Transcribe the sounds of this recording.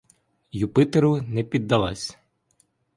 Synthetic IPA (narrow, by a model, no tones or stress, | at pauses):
jupɪt̪eɾʊnɛpʲid̪ːɐlˠɑ̰sʲ